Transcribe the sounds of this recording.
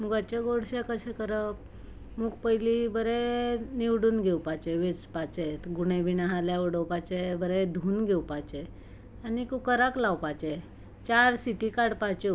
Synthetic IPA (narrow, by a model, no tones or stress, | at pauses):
muɡat͡ɕeɡoɽɕekəsẽkəɾəp | muːɡpəjlibəɾeniwɽuːnɡʱewpat͡ɕɛʋet͡spat͡ɕet̪ɡuɳ̃ebinaɦaljauɽəwpat͡ɕebəɾed̪ʱuːnɡʱewpat͡ɕɛ | anikukəɾaklawpat͡ɕɛ | t͡ɕaɾsiʈikaɽpat͡ɕe